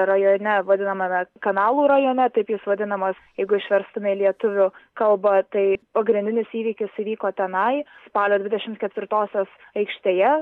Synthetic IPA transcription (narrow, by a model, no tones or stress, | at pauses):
ɾɐjoːnʲɛʋɐd̪ʲɪnɐmɐmʲɛkɐnɑːlˠuːɾɐjoːnʲɛt̪ɐɪpjɪsʋɐd̪ʲɪnɐmɐsjɛɪɡʊɪʃʲʋʲɛɾst̪ʊmʲɛɪlʲiɛt̪ʊʋʲʊkɐlˠbɐt̪ɐɪpɐɡɾʲɪnd̪ʲɪnʲɪsiːʋʲiːkʲɪsiʋʲiːkoːt̪ʲɛnɐɪspɑːlʲoːd̪ʲʋʲɪd̪ʲɛʃʲɪmt̪kʲɛt̪ʲʋʲɪɾt̪oːsʲoːs | ɐɪkʃʲt̪ʲeːjɛ